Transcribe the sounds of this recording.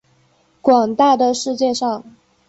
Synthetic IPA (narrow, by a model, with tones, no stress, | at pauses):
kwɑ˨˩ŋt̪a˥˩d̪ə˩ʂɻ̩˥˧t͡ɕjɛ˥˧ʂɑ˥˩ŋ